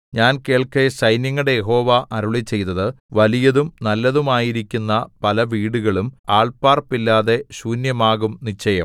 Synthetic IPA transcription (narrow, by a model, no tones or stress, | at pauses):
ɲaːnke̞ːɭkeɕɐjnjɐŋːuɽe̞jeɦo̞ːʋaʔɐɾuɭit͡ɕe̞jt̪ːɐðɨ | ʋɐlijɐðumnɐlːɐðumaːjiɾikʲːunːɐpɐlɐʋiːɽuɣɐɭumaːɭpaːrpːilːaːðe̞ɕuːnjɐmaːɣumnit͡ɕːɐjɐm